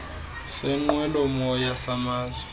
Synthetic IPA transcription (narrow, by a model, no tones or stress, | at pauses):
sɛŋ͡ǃwɛlɔmɔjasamaːzwɛ